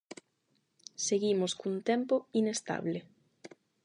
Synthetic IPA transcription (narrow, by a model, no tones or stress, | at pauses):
seɣimoskunt̪ɛmpoinest̪a̰βle